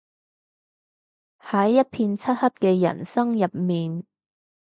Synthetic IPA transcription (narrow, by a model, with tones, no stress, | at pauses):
hɐ˨˥jːɐ˥t̚pʰiː˧nt͡sʰɐ˥t̚hɐ˥p̚kɛː˧jɐ̰˨˩nsɐ˥ŋjɐ˨p̚miː˨n